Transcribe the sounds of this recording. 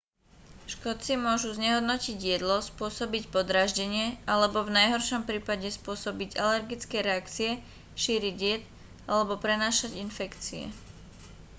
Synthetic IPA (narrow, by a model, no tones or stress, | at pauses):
ʃkɔt͡simʊɔʒuzɲɛɦɔd̪nɔciɟɪjɛd̪lɔspʊɔsɔbicpɔd̪ɾaːʒɟɛɲɪɛʔalɛbɔvnajɦɔɾʃɔmpɾiːpaɟɛspʊɔsɔbiɟalɛɾɡit͡skɛɾɛakt͡siɛ | ʃiːɾiɟɪjɛt̪ | alɛbɔpɾɛnaːʃaɟinfɛkt͡siɛ̰